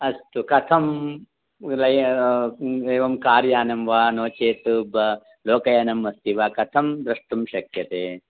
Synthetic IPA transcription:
ɐst̪ukɐt̪ʰɐm | lɐj | eːʋɐmkaːɾjaːnɐmʋaːnoːt͡ʃeːt̪ubɐ | loːkɐjɐnɐmɐst̪iʋaːkɐt̪ʰɐmd̪ɾɐʂʈɐmʃɐkʰjɐt̪eː

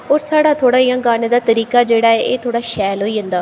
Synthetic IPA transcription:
oːɾsaːɽaːt̪ʰoːɽaːijãːɡaːned̪aːt̪əɾiːkaːd͡ʒeːɽaːeʔeːt̪ʰoːɽaːʃɛːlɦoːiːɦə̃nd̪aː

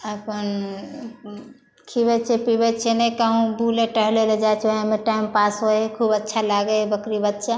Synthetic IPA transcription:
əpən | kʰibɛt͡ʃʰɛpibɛt͡ʃʰɛnɛjkəɦũbuleʈəɦleled͡ʒat͡ʃʰoɦemeʈaimpasɦoekʰubətːʃʰalaɡebəkɾibət̪ːt͡ʃʰa

